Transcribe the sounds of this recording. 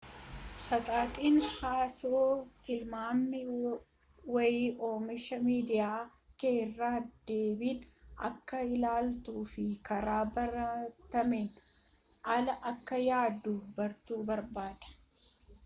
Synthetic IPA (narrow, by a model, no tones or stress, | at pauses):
sɐt̪ʼaːt̪ʼiːnhaːsoːt̪ɪlmaːmːɪ | wɐjɪʔoːmɪʃɐmiːd̪ɪjaː | keːrːaːd̪e̞ːbiːnɐ̰kːɐɪlaːlt̪uːfɪkɐɾaːbɐɾɐt̪ɐmeːn | ʔɐlɐʔɐkːɐjaːd̪uːbɐɾt̪uːbɐɾbaːd̪̥ɐ̥